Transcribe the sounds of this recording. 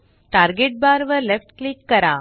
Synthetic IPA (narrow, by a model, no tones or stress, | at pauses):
ʈaːɾɡeʈ̚baːɾʋɐɾlɛfʈklɪkːɐɾãː